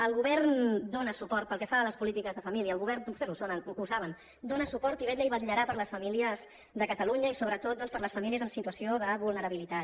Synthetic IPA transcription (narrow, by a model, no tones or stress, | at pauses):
əlˠɣuβɛɾnd̪onəsupɔɾt̪̚pəlˠkɛfaləspulit̪ikəzðəfəmiliəːlɣuβɛɾnuseusonənusaβən | d̪onəsupɔɾt̪iβɛt̪ləiβət̪ʎəɾapəɾləsfəmiliəz | ðəkət̪əluɲəisoβɾət̪ot̪̚ɔnspəɾləsfəmiliəzəmsit̪uəsioðəβulˠnəɾəβilit̪a